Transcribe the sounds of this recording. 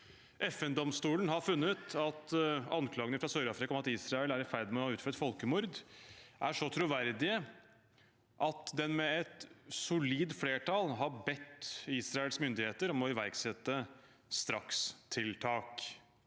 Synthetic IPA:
ʔɛfɛnd̪ɔmst̪uːlən̩hɑɾfʉnːət̪ɑt̪ɑnkʰlɑːɡənəfɾɑsœɾɑːfɾɪkɑɔmɑt̪iːsɾɑɛlæɾɪfæɾd̪mɛɔhɑʉːt̪føːɾət̪fɔlkəmʊɾd̪ʔæʂɔt̪ʰɾʊʋæɾd̪ɪə | ʔɑt̪d̪ɛnmɛɛt̪sʊliːd̪fleːʈʰɑlɦɑɾbɛt̪ːiːsɾɑɛlsmʏnd̪ɪheːt̪əɾɔmɔɪʋæɾɡsɛt̪ːə | st̪ɾɑkst̪ʰɪlt̪ʰɑːk

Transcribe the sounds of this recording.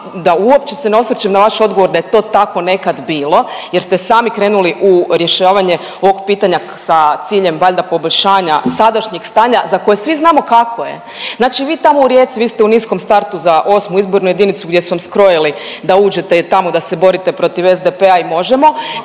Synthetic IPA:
d̪auo̞p̚t͡ʃeseno̞sɾt͡ʃemnaʋaʃo̞d̪ɡo̞ʋo̞ɾd̪ajet̪o̞ːt̪ako̞ne̞kad̪biːlo̞jeɾst̪esaːmikɾe̞ːnuliʔuɾje̞ʃaːʋaɲe̞ | o̞ʋo̞ɡpiːt̪aɲa | sat̪siːʎemʋaʎʲd̪apo̞bo̞ʎʲʃaːɲasad̪aʃɲeɡst̪aːɲazako̞jesʋiznaːmo̞kakʰo̞je̞̰ | znaːt͡ʃiʋiːt̪amo̞uɾje̞t̪siʋiːst̪eunisko̞mst̪aɾt̪uzaʔo̞smuizbo̞ɾnuje̞d̪init̪suɡd̪ʲje̞suʋamskɾo̞jilid̪auːd͡ʒe̞t̪et̪amo̞d̪ase̞bo̞ɾit̪epɾo̞t̪iʋezd̪epeaimo̞ʒemo̞

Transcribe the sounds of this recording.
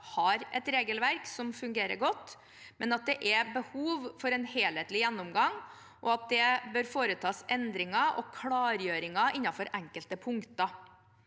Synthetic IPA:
hɑɾɛt̪ɾeːɡəlʋæɾksɔmfʉŋɡeːɾə̰ɾɡɔt̪ː | mɛnɑt̪̚d̪ɛʔɛbəhuːʋfɔɾɛnheːlheːt̪lɪjænːʊmɡɑŋ | ʔɔɑt̪̚d̪ɛbøːɾfoːɾət̪ʰɑːsɛnd̪ɾɪŋɑʔɔ̰kʰlɑːɾjøːɾɪŋɑʔɪnːɑfɔɾʔɛŋkəlt̪əpʰʊŋkt̪ɑ

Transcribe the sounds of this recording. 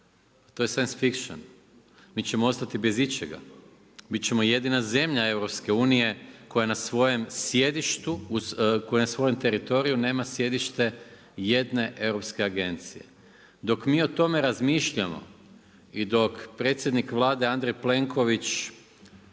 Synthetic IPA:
t̪ojesajnsfikʃo̰n | miːt͡ɕe̞moost̪at̪ibe̞zit͡ɕeɡa̰ | bit̪t͡ʃe̞moje̞d̪inaze̞mʎae̞wɾopske̞uːnije̞ko̞janasʋo̞je̞msje̞d̪iʃt̪ukojenasʋo̞jemt̪e̞ɾit̪o̞ɾijune̞ːmasje̞d̪iʃt̪e̞ | je̞d̪ne̞ʔe̞wɾo̞pske̞aɡe̞nt̪sije̞̰ | d̪o̞kmiːo̞t̪o̞me̞ɾazmiːʃʎamo̞̰ | id̪o̞kpɾe̞t̪sʲjed̪nikʋlˠaːd̪e̞and̪ɾejple̞ŋkʰo̞ʋit͡ʃ

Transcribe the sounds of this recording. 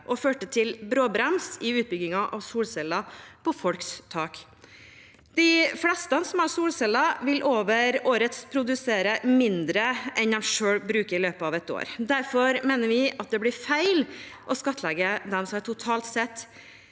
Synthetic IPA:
ʔɔføːʈət̪ʰɪlbɾoːbɾɛmsɪʉːt̪̚bʏɡɪŋɑʔɑʋsuːlsɛlɑpʰɔfɔlkst̪ʰɑːk | d̪̥ɪflɛst̪ɑnsɔmɑɾsuːlsɛlːɑʋɪlʔoːʋəɾoːɾət̪spʰɾʊd̪ʉseːɾəmɪnd̪ɾəʔɛnd̪æmʂøːɽbɾʉːkəɾɪløːpəɑʋɛt̪o̰ːɾd̪æɾfɔɾmeːnəɾʋɪʔɑt̪̚d̪ɛblɪɾfæɪlʔɔskɑt̪ʰːlɛɡəd̪ɛmsɔmɑʈʰʊt̪ʰɑːlt̪sɛt̪ː

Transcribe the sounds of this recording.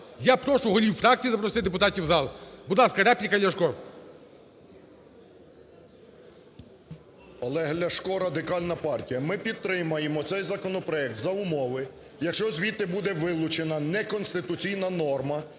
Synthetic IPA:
japɾɔʃʊɦɔlʲiwfɾɑk̚t͡sʲijizɐpɾɔsɪd̪epʊt̪ɑtʲiwzɑlˠbʊd̪lˠɑskɐɾɛplʲikɐd̪lʲɐʃkɔɾ | ɐlˠɛɦlʲɐʃkɔɾɐd̪ɪkɑlʲnɐpɑrtʲijɐmɪpʲid̪̚t̪ɾɪmɐjemɔt̪sɛjzɐkɔnɔpɾɔɛk̚t̪zɐʊmɔʋɪ | jɐkʃt͡ʃɔzʲʋʲit̪ɪbud̪ɛʋɪlˠʊt͡ʃenɐnɛkɔnst̪ɪt̪ʊt͡sʲijnɐnɔrmɐ

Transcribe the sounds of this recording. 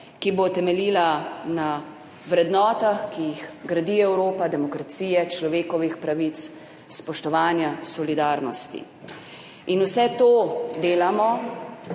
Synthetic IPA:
kibot̪ɛmɛliːlana | ʋɾɛd̪nɔːt̪axkijixɡɾad̪iɛwɾoːpad̪ɛmɔkɾat̪siːjɛt͡ʃlɔʋeːkɔʋixpɾaʋit̪s | spɔʃt̪ɔʋaːnjasɔlid̪aːɾnɔst̪ḭ | inusɛt̪oːd̪eːlamɔ

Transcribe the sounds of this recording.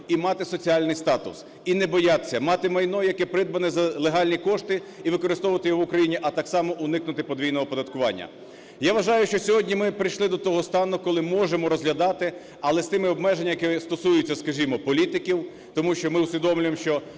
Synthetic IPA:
imɑt̪ɪsɔt͡sʲiɑlʲnɪjst̪ɑt̪ʊ̰s | inɛbɔjɑt̪sʲːɐmɑt̪ɪmɐjnɔjɐkɛpɾɪd̪̚bɐnɛzɐlˠeɦɑlʲnʲikɔʃt̪ɪiʋɪkɔɾɪst̪ɔʋʋɐt̪ɪjɔʋʊkɾɐjinʲiʔɐt̪ɑksɑmɔʔʊnɪknʊt̪ɪpɔd̪ʋʲijnɔɦɔpɔd̪ɐt̪kʊʋɑ̰nʲːɐ̰ | jaʋɐʒɑjʊʃt͡ʃɔsʲɔɦɔdʲnʲimɪpɾɪjʃlˠɪd̪ɔt̪ɔɦɔst̪ɑnʊkɔlˠɪmɔʒemɔɾɔzɦlʲɐd̪ɑt̪ɪ | ɐlˠɛst̪ɪmɪɔbmɛʒenʲːɐjɐkɛst̪ɔsujʊt͡sʲːɐskɐʒʲimɔpɔlʲit̪ɪkʲiw | t̪ɔmuʃt͡ʃɔmɪʊsʲʋʲid̪ɔmlʲʊjemʃt͡ʃɔ

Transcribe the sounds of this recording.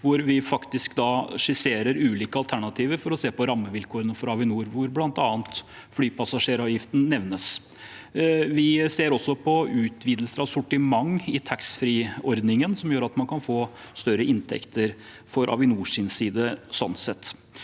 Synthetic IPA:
ʋʊɾʋɪfɑkt̪ɪskd̪ɑʂɪseːɾəɾʉːliːkəɑlt̪ʰæɳɑt̪ʰiːʋəɾfɔɾɔseːpɔɾɑmːəʋɪlkʰoːɾənəfɔɾɑʋɪnuːɾʋʊɾblɑnt̪ɑːənt̪ | flyːpɑsɑʂeːɾɑʋjɪft̪n̩nɛʋnəs | ʋɪseːɾɔsːɔpʰɔʉːt̪ʰʋiːd̪l̩səɾɑʋsʊʈɪmɑŋːɪt̪ʰɑksfɾiːɔɾd̪nɪŋənsɔmjøːɾɑt̪mɑnkʰɑnfoː | st̪œɾəʔɪnt̪ʰɛ̰kt̪ʰəɾ | fɔɾʔɑ̰ʋɪnuːʂɪnsiːd̪əsɔnsɛt̪ː

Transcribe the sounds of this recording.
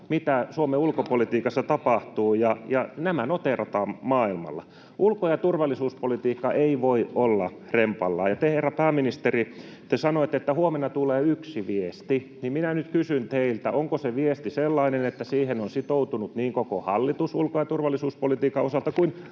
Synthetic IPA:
mit̪æsuomeulkopolit̪iːkɑsːɑt̪ɑpɑht̪uːjɑjɑnæmænot̪erot̪ɑːmmɑːilmɑ̰lːɑ̰ | ʔulkojɑt̪urʋɑlːˑisuːspolit̪iːkːɑʔeiʋoiolːɑ̰ | rempɑ̰lːɑ̰ːjɑt̪eherːɑpæːminist̪eri | t̪esɑnoet̪ːet̪ːæhuomenːˑɑt̪uleːyksiʋiest̪inimminænyt̪kysynt̪eilt̪æʔoŋkoseʋiest̪iselːɑinenet̪ːæsiːhenonsit̪out̪unut̪niːŋkokohɑlːit̪usṵlkojɑt̪urʋɑlːˑisuːspolit̪iːkːɑosɑlt̪ɑkuin

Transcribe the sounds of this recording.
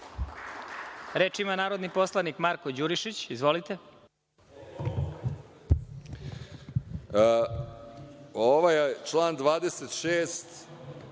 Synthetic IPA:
ɾeːt͡ʃimanaːɾo̞d̪nipo̞slˠanikmaɾkod͡ʑuɾiʃit͡ɕizʋolit̪e | oʋajet͡ʃlˠaːnd̪ʋaːd̪eset̪ʃeːst̪

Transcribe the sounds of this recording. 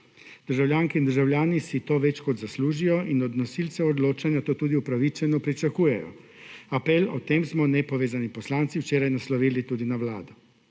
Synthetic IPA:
d̪̥əɾʒawlʲjaːŋkɛind̪əɾʒawlʲjaːnisit̪oːʋɛt͡ʃkɔd̪zasluːʒijɔʔinɔd̪nɔsilsɛɔd̪loːt͡ʃanjat̪oːt̪uːd̪iupɾaʋit͡ʃɛnɔpɾit͡ʃakuːjɛjɔ̰ | apɛlɔt̪eːmsmɔnɛpɔʋeːzanipɔslaːnt̪siwt͡ʃeːɾajnaslɔʋiːlit̪uːd̪inaʋla̰ːd̪ɔ

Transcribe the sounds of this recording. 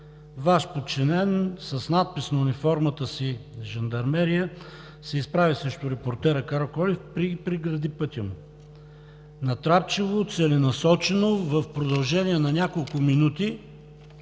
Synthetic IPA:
vaʃpot̪̚t͡ʃinɛnsɐsnat̪̚pisnɐʊnifɔɾmət̪əsiʒɐnd̪ɐɾmɛɾiə | sɛispɾavisɾɛʃt̪ʊɾɛpoɾt̪ɛɾəkaɾokɔlifpɾipɾiɡɾɐd̪ipɤt̪ʲəm | nɐt̪ɾap̚t͡ʃivot̪sɛlɛnɐsɔt͡ʃɛnovɐfpɾod̪ɐlˠʒɛnʲiɛnɐnʲakolˠkʊminut̪i

